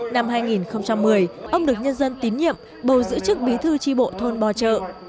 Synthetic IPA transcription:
na˧mɦaː˧jŋi˨˩nxə˧wŋ͡mt͡ɕa˧mːɨ˨˩əjʔə˧wŋ͡mɗɨ˨˩ək̚ɲə˧nzə˧nt̪i˨˦nɲḭ˧˨əm | ɓə˨˩wzɨ̰˧˥t͡ɕɨ˦˥k̚ɓi˨˦t̪ʰɨ˧t͡ɕi˧ɓo̰˧˨t̪ʰo˧nɓɔ˨˩t͡ɕə̰ː˧˨

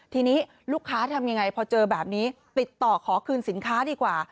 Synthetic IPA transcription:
t̪ʰiː˧niː˦˥ | luː˥˩kʰːaː˦˥t̪ʰa˧mja˧ŋːa˧jpʰɔː˧t͡ɕɤː˧bɛː˨˩p̚niː˦˥t̪i˨˩t̪ːɔː˨˩kʰɔː˩˦kʰɯː˧nsi˩˦nkʰaː˦˥diː˧kwaː˨˩

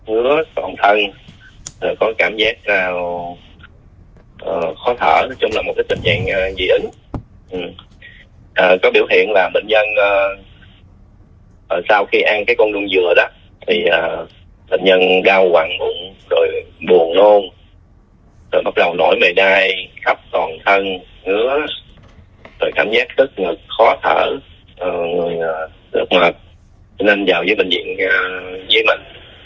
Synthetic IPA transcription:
hɨ˨˦ət̪wɔ̰˧˨˩nt̪ʰə˧n | zə˨˩kɔ˨˦kaː˧˩mzaː˦˥k̚naː˨˩w | ʔəː˨˩xɔ˨˦t̪ʰə̰ː˧˩˨t͡ɕʊ˨˦ŋ͡mlaː˨˩mo˨˩t̚kə˦j̚t͡ɕi˨˩ŋa̰ː˧˨ŋʔəː˨˩zḭ˧˩ʔɨ˨˦ŋ | ʔɨ˨˩m | ʔəː˨˩kɔ˨˦ɓḭ˧˩əwhḭ˧˨ənlaː˨˩ɓï˧˨ŋ̟ɲə˧nʔəː˧˩ | ʔəː˨˩saː˧wxi˧ʔa˧ŋkaː˨˦jkɔ˧nɗʊ˧ŋ͡mzɨ˨˩əɗɔ˨˦ | t̪ʰi˨˩ʔəː˨˩ | ɓə̰˧˨ŋ̟ɲə˧nɗaː˧wkaː˨˩ŋmʊ̰˧˩ŋzo˨˩jɓu˨˩ənlo˧n | zo˨˩jɓa˦˥t̚ɗə˨˩wno˧˩jme˨˩jɗaː˧jxa˦˥p̚t̪ɔ˨˩nt̪ʰə˧n | ŋɨ˨˦˥ə | zo˨˩jkaː˧˩mzaː˦˥k̚zə˦˥t̚ŋɨ˨˩k̚xɔ˨˦t̪ʰəː˧˩ | ʔəː˨˩ŋɨ˨˩əjəː˨˩ | lɨ̰˦˥k͡p̚ma˨˩p̚ | nə˧nzaː˨˩wzəː˨˦ɓï˧˨˩ŋ̟zḭ˧˨ənəː˧˩zəː˨˦jmï˨˩ŋ̟

